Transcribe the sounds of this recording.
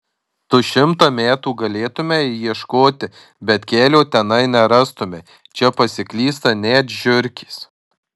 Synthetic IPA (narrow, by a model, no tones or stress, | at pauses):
t̪ʊːʃʲɪmt̪oːmʲæːt̪uːɡɐlʲeːt̪ʊmʲɛjiɛʃkoːt̪ʲɪ | bʲɛt̪kʲæːlʲoːt̪ʲɛnɐɪnʲɛɾɑst̪ʊmʲe | t͡ʃʲɛpɐsʲɪklʲiːst̪ɐnʲæːt̪ʒʲʊɾʲkʲiːs